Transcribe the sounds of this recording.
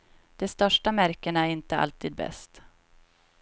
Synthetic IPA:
d̪̥ɛst̪œʂʈamæɾkənæɾɪnt̪əa̰lt̪ʰiːd̪̚bɛ̰st̪

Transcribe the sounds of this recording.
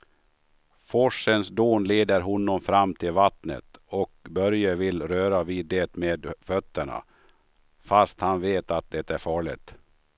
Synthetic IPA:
fɔʂənsd̪oːnleːd̪əɾɦɔnːɔmfɾamːt̪ʰɪlvat̪nə̰t̪ɔk̚bœɾjəvɪlɾøːɾaviːd̪ːet̪meːd̪fœt̪ːəɳa̰ | fast̪hanveːt̪at̪̚d̪ɛt̪æɾfɑːɭɪ̰t̪

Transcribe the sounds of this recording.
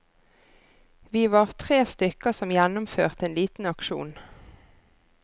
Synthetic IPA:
ʋiːʋɑːʁt̪ʰʁeːst̪ʏkəsɔmjɛnʊmfø̰ːʁt̪eːnliːt̪n̩ɑkʃṵːn

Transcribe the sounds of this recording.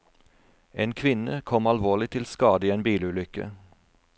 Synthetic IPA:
ʔeːnkʰʋɪnəkʰɔmɑlʋoːʁlɪt̪ʰɪlskɑːd̪əiːeːnbiːlʉːlʏkə̰

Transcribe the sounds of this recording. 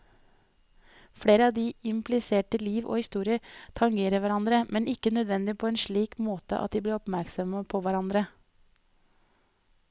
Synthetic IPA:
fɽeːɾəɑːʋd̪iːɪmpʰlɪseːʈəliːʋʔo̰ːhɪst̪uːɾɪət̪ʰɑŋɡeːɾəʋæɾɑnd̪ɾəmʔɛnʔɪkənœd̪ʋɛnd̪ɪpʰoːeːnʃɭiːkmoːt̪ə̰ʔɑ̰t̪̚d̪iːbliːɾɔpmæɾksɔməpʰoʋæɾɑnd̪ɾə

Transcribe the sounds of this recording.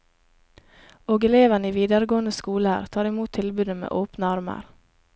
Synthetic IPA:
oːɡɛleːʋəniːʋiːd̪əɾəɡoːnd̪əskuːlæ̰ɾt̪ʰɑːɾɪmuːt̪ʰːɪlbʉːd̪əmḛːʔoːpnəɑɾmə̰ɾ

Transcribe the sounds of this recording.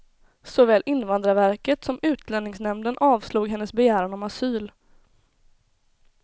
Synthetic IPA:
sɔvɛːlʔɪnːvand̪ɾavæɾkət̪sɔmʉ̟ːt̪ʰlɛnnɪŋsnɛmd̪ənʔɑːvsluːɡɦɛnːəsbɛjæːɾanɳɔmasyːl

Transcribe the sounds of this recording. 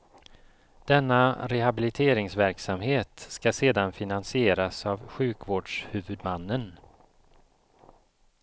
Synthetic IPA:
d̪̥ɛnːaɾɛhabɪlɪt̪ʰeːɾɪŋsvæɾksamɦeːt̪skaseːd̪anfɪnansɪeːɾasavɧʉ̟ːkvoːɖʂhʉ̟ːvɵd̪manːən

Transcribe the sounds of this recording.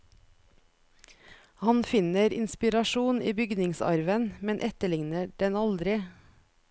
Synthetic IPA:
hɑnfɪnəɾɪ̰nspɪɾɑʃuːniːbʏɡnɪŋsɑ̰ɾʋənmɛnʔɛt̪əlɪŋnəɖɛnɑld̪ɾɪ

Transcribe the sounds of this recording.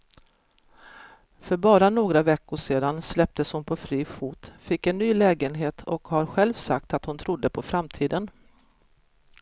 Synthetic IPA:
fœɾbɑːɾanoːɡɾavɛkːʊʂeːd̪anslɛp̚t̪əshʊnpʰɔfɾiːfuːt̪fɪkːɛnːyːlɛːɡənɦeːt̪ʰɔkhaɾɧɛlvsak̚t̪at̪hʊnt̪ʰɾʊd̪ːəpʰɔfɾamt̪ʰiːd̪ən

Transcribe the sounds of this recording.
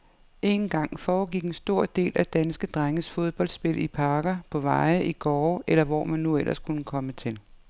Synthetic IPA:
ʔe̝nɡ̥ɑ̈ŋ̰fɒːɡ̥iɡ̥e̝nsd̥o̝ɐ̰d̥e̝̰ːlæd̥ænsɡ̥əd̥ʁaŋəsfo̝ð̞ˠb̥ɒ̽ld̥sb̥e̝lipʰɑ̈ːɡ̥ɐpʰɒ̽ʋɑ̈ɪʔiɡ̥ɒːʔelɐʋɒ̰ːmænːuel̰ʔɐskʰunəkʰɒ̽mət͡sʰe̝l

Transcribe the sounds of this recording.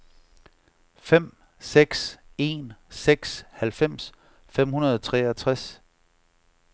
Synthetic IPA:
fem̰ | seɡ̥se̝nseɡ̥shælfem̰s | fem̰hunɐð̞ˠɒt͡sʰʁɛːɐt͡sʰʁas

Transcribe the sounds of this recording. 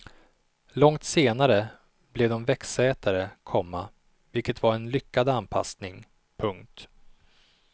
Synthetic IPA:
lɔŋt̪seːnaɾə | blɛd̪ɔmvɛksɛːt̪ʰaɾəkʰɔmːa | vɪlkət̪vaɾɛnlʏkːad̪anpʰa̰snɪŋ | pʰɵŋk̚t̪

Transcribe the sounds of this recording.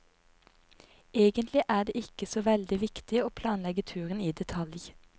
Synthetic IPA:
eːɡənt̪lɪʔæːɖ̪eːɪkəsoːʋɛld̪ɪʋɪkt̪ɪoːpʰlɑːnlɛɡət̪ʰʉːʁəniːd̪ɛt̪ʰɑlj

